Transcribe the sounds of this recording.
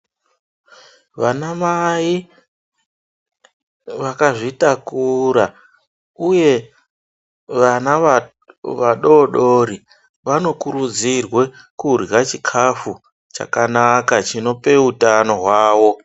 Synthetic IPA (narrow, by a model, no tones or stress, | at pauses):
ʋanamaji | ʋakaʐitakuɾa | uje̞ | ʋana | ʋaɗo̞ɗo̞ɾi | ʋano̞kuɾud͡zirwe̞ | kurjat͡ʃikʰafu | t͡ʃa̰kanakat͡ʃino̞pe̞utano̞ɦwaːwo̞